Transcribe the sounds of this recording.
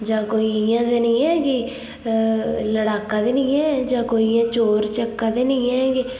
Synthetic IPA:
d͡ʒãːkoːijãːd̪eːnĩːɛːɡɪ | ləɽaːkãːd̪eːnĩːɛ̃ːd͡ʒãːkoːiãːt͡ʃoːɾt͡ʃəkːãːd̪eːnĩːɛ̃ːɡɪ

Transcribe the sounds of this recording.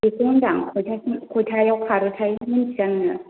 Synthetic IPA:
ekoŋdaŋkʰɔjtʰakʰojtʰajawkʰaɾɯtʰajmɯnʰijannɯ

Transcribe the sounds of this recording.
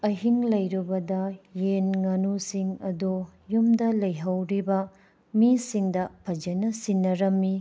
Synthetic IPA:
ɐɦiŋlɐjɾubɐdɐjenŋɐnusiŋɐdojumdɐlɐjɦɐwɾibɐ | misiŋdɐpʰɐd͡ʒɐnɐsinːɐɾɐmːi

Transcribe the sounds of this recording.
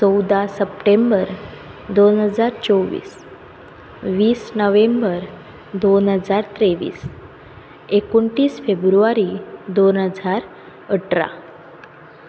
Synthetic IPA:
t͡sɔwd̪asəpʈembəɾd̪onɦəd͡zaɾt͡sowʋḭːs | ʋiːsnəʋembəɾ | d̪onɦəd͡zaɾt̪ɾeʋḭːs | ekoɳʈiːsfebɾuʋaɾid̪onɦəd͡zaɾ | əʈɾa̰

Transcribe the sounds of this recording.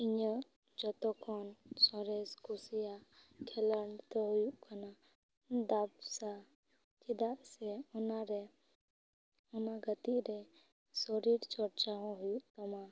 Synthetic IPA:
iɲɔ | d͡ʒɔt̪ɔkɔnsɔɾeskʰusijakʰɛləɳt̪ɔɦujuʔkana | d̪absa | t͡ʃid̪asɛɔnaɾe | ɔnaɡət̪iɾe | sɔɾiɾt͡ʃɔɾt͡ʃaɦɔ̃ɦujuʔkəma

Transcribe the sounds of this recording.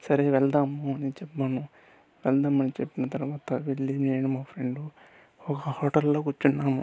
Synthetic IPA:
sɐɾeʋɛld̪aːmuɐnit͡ʃɛpːaːnu | ʋɛld̪aːmɐnit͡ʃepːinɐt̪ɐɾuʋaːt̪ɐʋilːimeːnumaːpʰɾeɳɖu | ɔkɐhoːʈɐlːo̞ːkut͡ʃːunːaːmu

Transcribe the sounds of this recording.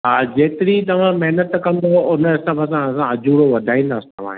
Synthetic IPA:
ɦaːd͡ʑeːt̪ɪɾit̪̬ɐʋ̤ãmɛɦnət̪kɐ̃nd̪oʊnəɪsəbəsãɐsãɐd͡ʑʱuːɽoʋɐd̪ʱaːĩːnd̪aːsi̥t̪ɐʋ̤ã̰ɦ

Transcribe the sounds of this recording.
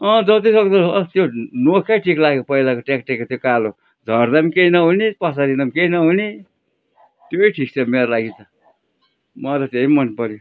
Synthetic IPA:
ʌ̃d͡zʌt̪isʌɡd̪ʌt̪jonokʰjaʈʰiklaɡepʌilakoʈekʈekːot̪jokalo | d͡zʱʌɾd̪ʌmkejnʌɦunipʌsaɾid̪ʌmkejnʌɦuni | t̪joiʈʰik̚t͡sʰʌmeɾlaɡit͡sʰʌ | mʌɾʌt̪eimʌnpʌɾjo

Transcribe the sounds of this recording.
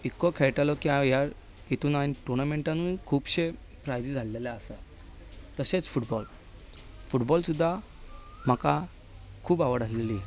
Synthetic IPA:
ikːɔkʰeɭʈalɔkiãjaɾ | it̪uːnañiʈuɾnameɳʈãnukʰuːpɕe | pɾajd͡zid͡zʱalːeljaəsa | t̪əset͡sfuʈbɔl | fuʈbɔlsud̪ʱːa | m̤aka | kʰuːpaʋəɽəsleli

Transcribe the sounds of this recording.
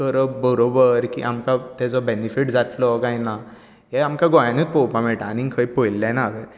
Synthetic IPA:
kəɾəbəɾobəɾkḭʔamkat̪ɛd͡zɔbenifiʈd͡zʱat̪lɔkaɦĩna | ɦeamkaɡojanut̪̚popameʈañikʰəipojlːãnaːʋe

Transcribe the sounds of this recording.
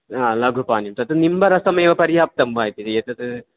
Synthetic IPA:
aːlɐɡʱupaːnjumt̪ɐt̪ɨnimbɐɾɐsɐmeːʋɐpɐɾijaːp̚t̪ɐmbaːjt̪it̪et̪ɐt̪ɨ

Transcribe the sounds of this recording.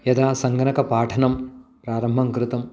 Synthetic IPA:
jɐd̪aːsɐŋɡɐnɐkɐpaːʈʰɐnɐmpɾaːɾɐmbʱɐŋkɾɪt̪ɐm

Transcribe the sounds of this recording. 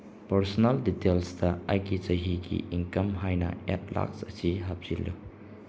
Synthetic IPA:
pɐɾsonɐlditelsdɐajɡizɐɦiɡḭʔiŋkɐmɦajnɐ̰ḛt̚la̰ksɐsiɦap̚z̥ilːṵ

